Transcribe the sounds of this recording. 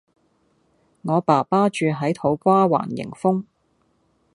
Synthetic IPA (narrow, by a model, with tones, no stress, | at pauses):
ŋɔː˨˧paː˨˩paː˥t͡ʃyː˨˧ɦɐ˨˥jt̪ʰo˨˥wkʷaː˥wa̰ː˨˩njɪ̰˨˩ŋfʊ˥ŋ